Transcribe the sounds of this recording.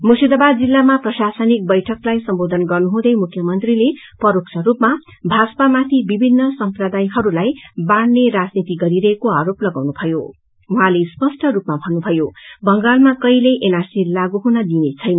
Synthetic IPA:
musid̪ʌbad͡zilːamaprʌsasʌnik̚bʌjʈʰʌklajsʌmbod̪ʱʌnɡʌrnuɦũd̪ʌjmukʰjʌmʌnt̪rile | pʌɾoksʰʌɾupma | bʱaspamat̪ʰibibʱinːʌsʌmprʌd̪ajɦʌɾulajbaɽneɾad͡znit̪iɡʌɾiɾʌɦekoaɾoplʌɡawnubʱʌjo | uɦãlespʌsʈʰʌɾupmabʱʌnːubʱʌjobʌŋɡalmakʌjleʔenarsilaɡuɦunʌd̪inet͡sʰʌjnʌ

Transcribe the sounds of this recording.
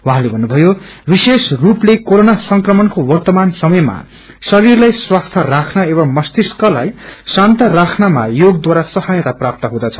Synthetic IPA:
wuɦãlebʱʌnːubʱʌjo | bisesruplekoɾonasʌŋkrʌmʌnkowʌrt̪ʌmansʌmʌjma̰ | sʌɾirlajswast̪ʰʌrakʰnʌebʌmmʌst̪iskʌla̰jsant̪ʌrakʰnama̰joɡ̚d̪waɾasʌhajʌt̪aprap̚t̪ʌɦũd̪ʌt͡sʰʌ̥

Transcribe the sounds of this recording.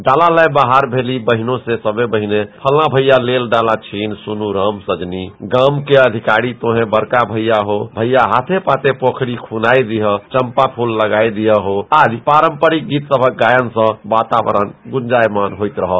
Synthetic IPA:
ɖalalajbaɦaɾbʱelibəɦinõsẽsəbebəɦinepʰəlnabʱəjalelɖalat͡ʃʰinsunuɾəmsəd͡ʒniɡəmkeəd̪ʱikaɾit̪oɦẽbəɾkabʱəjːaɦobʱəjaɦat̪ʰepat̪epokʰɽikʰunajd̪iɦət͡ʃəmpapʰulːəɡajd̪ijəɦoad͡ʒpaɾəmpəɾik̚ɡit̪səbʱək̚ɡajənsə̃bat̪aʋə̰ɾə̰nɡund͡ʒajmanɦojt̪ɾəɦəl

